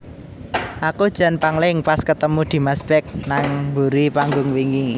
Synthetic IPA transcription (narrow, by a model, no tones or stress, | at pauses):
ʔakud̥ʒ̥a̤npaŋlɪŋpaskət̪əmud̪̥i̤masb̥ɛk̚naŋmbuɾipaŋɡʊŋwiŋɡiŋ